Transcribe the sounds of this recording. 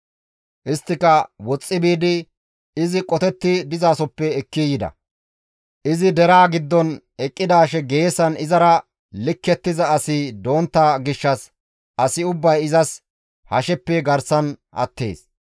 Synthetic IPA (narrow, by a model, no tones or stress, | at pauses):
ʔɪst̪ːɪkɐwɔt͡sʼːɪbiːd̪ɪ | ɪzɪkʼɔt̪ɛt̪ːɪd̪ɪzaːsɔpːɛɛkːijɪd̪ɐ̰ | ʔɪzɪd̪ɛɾaːɡɪd̪ːɔn | ɛkʼːɪd̪aːʃɛɡe̞ːsɐnɪzɐɾɐ | lɪkːɛt̪ːɪzɐːsɪd̪o̞ːnt̪ːaːɡɪʃːɐs | ʔɐsɪʊbːɐjɪzɐs | hɐʃɛpːɛɡɐɾsɐnʔɐ̰t̪ːe̞̰ːs